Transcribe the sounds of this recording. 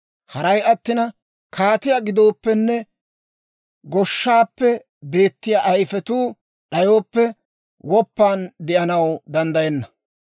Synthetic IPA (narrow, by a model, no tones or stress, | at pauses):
hɐɾɐjɐt̪ːɪnɐ | kaːt̪ɪjaɡɪd̪o̞ːpːɛnːɛ | ɡɔʃːaːpːɛ | be̞ːt̪ːɪjaːʔɐjfɛt̪uː | ɗɐjoːpːɛ | wɔpːaːnd̪ɛʔɐnɐwd̪ɐnd̪ɐjɛnːɐ